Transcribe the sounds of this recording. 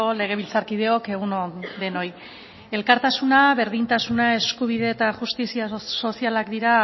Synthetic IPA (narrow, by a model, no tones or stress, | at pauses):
ole̞ɣ̞e̞β̞ilt͡saɾkið̞eo̞ke̞ɣ̞unoðe̞no̞j | e̞lkaɾt̪asunaβe̞ɾðint̪asunae̞skuβ̞ið̞e̞ːt̪aʝust̪isiaso̞sialakd̪iɾa